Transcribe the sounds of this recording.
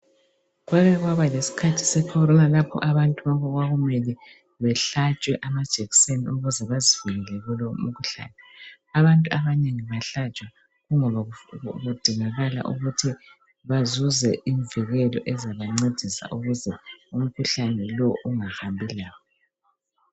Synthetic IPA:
ɣwaɣɛɣwaβalesi̥kʰatʰi̥sɛkʰɔɾɔnalapʰɔ̰ʔaβantʼuβaβɔɣwaɣumɛli | βɛɬat͡ʃʼwɛʔamad̥ʒ̥ʱeɣisenḭuɣuzɛβaziviɣɛlɛɣulom̩kʰuɬa̰ːnɛ | aβantʼuaβaneŋiβaɬat͡ʃʼwa | ɣuŋɔβaɣud̥ʱiŋaɣala̰ʔuɣutʰi | βazuzɛiɱviɣɛlɔ̰ʔɛzaβaŋ͡ǀed̥ʱisa̰ʔuɣuzɛum̩kʰuɬanɛlɔʔuŋahambʱilaːβɔ

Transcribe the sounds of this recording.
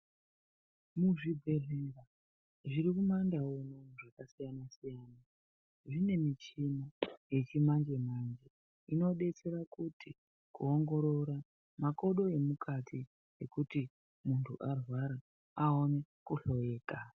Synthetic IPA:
muʐibʱereːɡa | ʐiɾikumandaonomuʐakasijanasijaːna | ʐine̞mit͡ʃimoje̞t͡ʃimand͡ʒe̞mand͡ʒe | ino̞ɗe̞t͡se̞ɾakutʰi | kuoŋɡo̞ɾo̞ɾa | mako̞ɗo̞e̞mukʰatʰi | ekuti | muntʰṵʔarwaɾa | ao̞ne̞kuɬo̞je̞ːka

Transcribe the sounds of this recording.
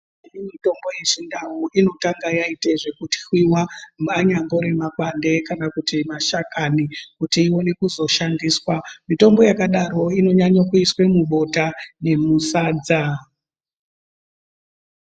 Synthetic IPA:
inimito̞mbo̞je̞t͡ʃindawuʔino̞taŋɡajaiteʐe̞kuti̥xwiwamaɲambo̞ɾe̞makwande̞kanakutimaʃakanikutiːwo̞ne̞kuzo̞ʃandiːswamito̞mbo̞jakaɗaɾo̞ino̞ɲaɲokuiswe̞muɓo̞tane̞musaːd͡za

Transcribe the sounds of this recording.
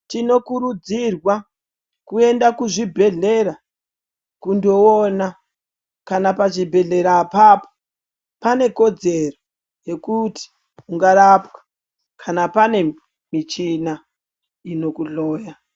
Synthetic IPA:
tino̞kuɾud͡zirwa | kue̞ndakuʐibʱe̞ɮe̞ɾa | kundoona | kanapaʐibʱe̞ɮe̞ɾapaːpo̥ | pane̞ko̞d͡ze̞ro | je̞kuti̥ | uŋɡaɾapwḁ | kʰanapane̞ | mit͡ʃina | ino̞kuɮoːja

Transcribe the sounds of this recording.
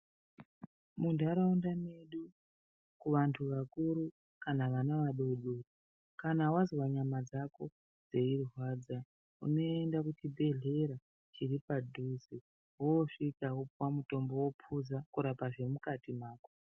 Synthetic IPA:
mundaɾaundaneɗu | kuʋantʰuʋakuɾu | kanaʋanaʋaɗoɗoro | kanawazowaɲamad͡zako̞ | d͡ze̞iruɦwad͡za | ṵno̞endakutibʱe̞ɮe̞ɾa | t͡ʃiripadʱuzi | wooʂikawopwamuto̞mbo̞wo̞pʰuzakuɾapaʐe̞mukatimaːko̥

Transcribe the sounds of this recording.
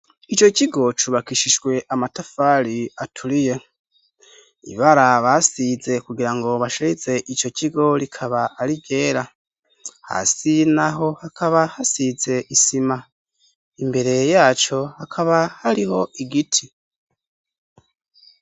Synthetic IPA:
it͡ʃo̞ciɡo̞t͡ʃuβakiʃiʃɡwe̞ʔamatafaɾiatʰuɾije̞ | ḭβaɾaβasize̞kuɡiɾaŋɡo̞βaʃeize̞ʔit͡ʃo̞ciɡo̞ɾikʰaβaaɾibɟe̞ːɾa | ha̰ːsinaɦo̞hakʰaβahasize̞ʔisima | imbe̞ɾe̞jaːt͡ʃo̞hakʰaβahaɾiho̞ʔiɡitʰi

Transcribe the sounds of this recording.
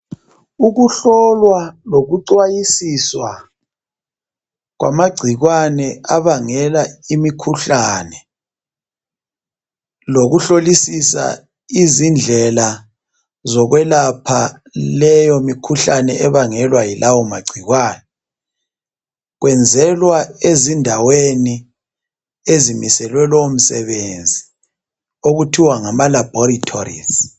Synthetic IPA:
uɣuɬɔlwaloɣuǀwajisiswa | ɣwa̰maɡ͡ǀʱiɣwanɛaβaŋɛlaimikʰuɬaːnɛ | loɣuɬolisisa̰ | izind͡ɮʱɛla | zɔɣwɛlapʰa | lɛjomikʰuɬanɛʔɛβaŋɛlwajilʔawɔmaɡ͡ǀʱiɣwaːnɔ | ɣwɛnd͡zʱɛlwaezindʱaweni | ezimisɛlwɛlom̩sɛ̰βend͡zʱi | oɣutʰiwaŋamalabɔɾitʰo̰rḭz

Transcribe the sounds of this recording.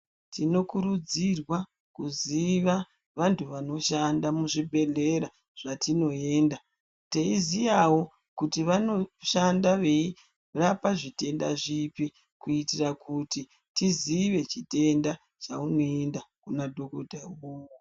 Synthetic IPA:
tino̞kuɾud͡zirwa | kuziʋa | ʋantʰuʋano̞ʃandamuʐibʱe̞ɮe̞ɾa | ʐ̥atino̞e̞ːnda | teizijawo̞ | kutiʋano̞ʃandaʋei | rapaʐite̞nda̰ʐipi | kuitirakuti | tiziʋe̞t͡ʃite̞nda | t͡ʃauno̞endakunadʱo̞kodʱaowo

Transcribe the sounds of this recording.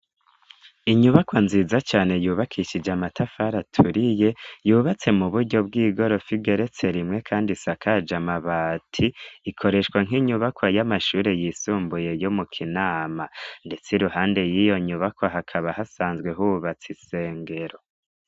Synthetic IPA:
iɲuβakwanziːzat͡ʃaːne̞juːβakʰiʃid͡ʒamatʰafaɾatʰuɾije̞juːβat͡se̞muβuɾɟo̞b̚ɡiːɡo̞ɾo̞fiɡe̞ɾe̞t͡se̞ɾimŋe̞kʰaːndisakʰad͡ʒamaβaːtʰiːkʰo̞ɾe̞ʃkwaŋɦiɲuβakwajamaʃuːɾe̞jisuːmbuje̞jo̞mukʰinaːmande̞t͡seɾuhaːnde̞jijo̞ɲuβakwaɦakʰaβahasaːnzɡwe̞ɦuβat͡sise̞ːŋɡe̞ɾo̞

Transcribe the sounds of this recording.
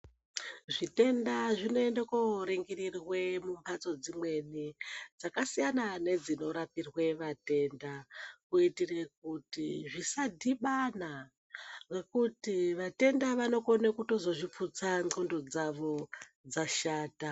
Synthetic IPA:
ʐite̞ndaʐino̞endekoɾeŋɡerirwe̞mumbat͡so̞d͡zimwe̞nid͡zakasijanane̞d͡zino̞ɾapirwe̞ʋate̞ndakuitirek̚utiʐisadʱiɓana | re̞kutiʋate̞ndaʋano̞konekuto̞zo̞ʐip͡fut͡saŋ͡ǀondod͡zaʋo̞ | d͡zaʃaːta

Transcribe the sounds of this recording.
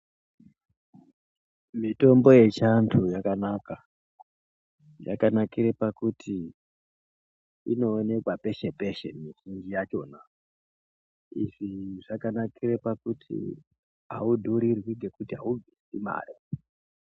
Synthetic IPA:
mito̞mbo̞je̞t͡ʃantʰujakanaka | ja̰kanakiɾepakutʰi | ino̞ːne̞kwape̞ʃe̞pe̞ʃe̞̰miʐind͡ʒijat͡ʃo̞ːna | iʐiʐakanakirepakutʰḭ | ɦa̰udʱoɾirwiŋɡe̞kutiɦa̰uvʱisima̰ːri

